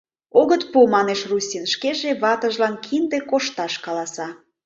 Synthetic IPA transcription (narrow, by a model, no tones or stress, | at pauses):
oɣət̪pumɑneʃrusʲinʃkeʒeβɑt̪əʒlɑnkʰind̪ekoʃt̪ɑʃkɑlɑsɑ